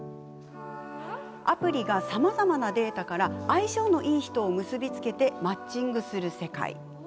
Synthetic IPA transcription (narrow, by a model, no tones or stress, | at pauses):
apɯ̟ɾʲiɡasamazamanad̪e̞ːt̪akaɾaːiɕo̞ːno̞ʔiːçi̥t̪o̞ːmɯ̟sɨbʲit͡sɨ̥ke̞t̪e̞mat͡ɕɕĩŋɡɯ̟sɨɾɯ̟se̞ka̰ḭ